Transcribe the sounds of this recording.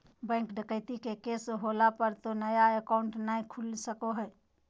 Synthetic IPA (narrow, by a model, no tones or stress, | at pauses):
bɛ̃ŋkɖəkəɪt̪ikekesɦolapəɾt̪onəjaəkaʊɳʈnaĩkʰulsəkoɦɛː